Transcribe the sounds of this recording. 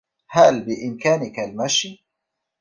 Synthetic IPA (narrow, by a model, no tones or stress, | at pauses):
halbɪʔɪmkaːnɪkalmaʃ